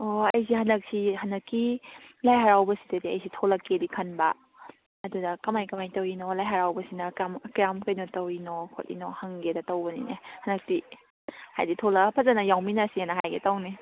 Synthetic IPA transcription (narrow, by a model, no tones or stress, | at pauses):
oɐjsihɐnɐk̚siɦɐndɐkːilajɦaɾawbɐsi̥tɐdiɐ̰jsitʰolɐkːedikʰɐnbɐ̰ː | dudɐkɐmajkɐmajtɐwinolajɦaɾawbɐsinɐkamkɾamkɐjnotɐwinokʰo̰tḭnohɐŋɡedɐtɐwbɐnḭnehɐnɐk̚ti | ha̰jditʰolɐpʰɐzanɐjawminasienɐɦajɡetawni